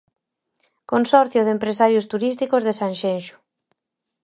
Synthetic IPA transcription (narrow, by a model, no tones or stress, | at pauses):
konsɔɾθjʊðempɾesaɾjʊst̪uɾist̪ikʊzðesanʃenʃʊ̥